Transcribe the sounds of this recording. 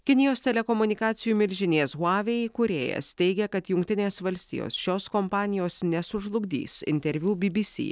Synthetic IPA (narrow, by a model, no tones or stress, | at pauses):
kʲɪnʲɪjoːsʲt̪ʲɛlʲɛkɔmʊnʲɪkɑːt̪sʲɪjuːmʲɪlʲʒʲɪnʲeːsuɑːʋʲeːjkʊɾʲeːjɛ̰st̪ʲɛɪɡʲɛkɐt̪jʊŋkt̪ʲɪnʲeːsʋɐlʲsʲt̪ʲḭjo̰ːsʃʲoːskɔmpɑːnʲɪjoːsnʲɛsʊʒlˠʊɡd̪ʲḭːsɪ̰nʲt̪ʲɛɾʲʋʲuːbʲɪbʲisʲḭː